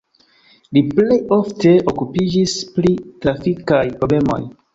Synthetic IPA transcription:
liplejofte̞ʔokupid͡ʒisplitlafikajpɾobe̞mo̞̰j

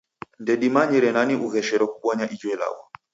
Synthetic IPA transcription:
ndɛɗimaɲɛɾɛnaniʔuɣɛʃɛɾɔkuɓɔɲaʔid͡ʒwɛla̰wɔ

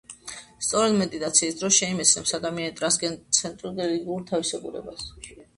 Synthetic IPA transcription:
st̪sʼɔɾɛd̪mɛd̪ʼit̪ʼat̪sʰiːsd̪ɾɔsʃɛimɛt̪sʰnɛpsad̪amianit̪ʼɾasɡɛt̪sʰɛnt̪ʼɾuɡ̪ɛliɡiuɾt̪ʰavisɛɡuɾɛ̰bas

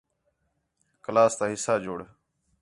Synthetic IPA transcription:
kəlaːst̪aːɦɪsaːd͡ʒoːɽ

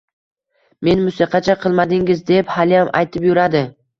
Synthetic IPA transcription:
me̞nmʊsiqʰɑt͡ʃʰaqʰɨlˠmad̪ɪŋɪzd̪e̞phalɪjamʔa̰jt̪ʰɪpjʊɾad̪ɪ

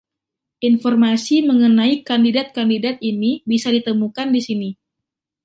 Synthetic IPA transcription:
ʔinfɔrmasiməŋənaikandidat̪̚kandidat̪̚inibisadit̪əmukandisini

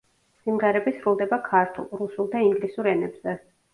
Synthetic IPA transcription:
simʁɛɾɛbisɾulˠd̪ɛbakʰaɾt̪ʰṵlˠɾusulˠd̪aiŋɡlisuɾɛnɛbzɛ

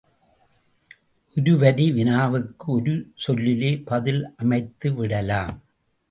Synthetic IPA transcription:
ʔɔɾɯʋɐɾiʋɪnaːʋɯkːɯɔɾɯsɔlːɪleːpɐðɪlʔɐmɐɪt̪ːɯʋɪɽɐlaːm

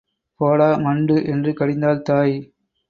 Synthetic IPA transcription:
poːɽaːmɐɳɖɯʔɛndrɯkɐɽɪnd̪aːlt̪aːj

